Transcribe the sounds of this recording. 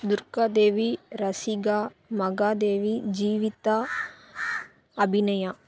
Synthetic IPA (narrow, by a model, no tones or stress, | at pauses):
d̪uɾkad̪eːʋiɾɐsiɡaː | mɐɡaːd̪eːʋid͡ʒiːʋit̪a | ɐbʱinɐja